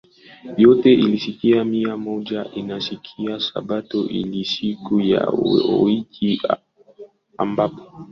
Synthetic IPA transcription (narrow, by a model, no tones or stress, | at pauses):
jɔtɛʔilisikiamiamɔʄaʔinasikʰiasa̰ɓatɔʔḭlisikuja̰iki | a̰mbapɔ̥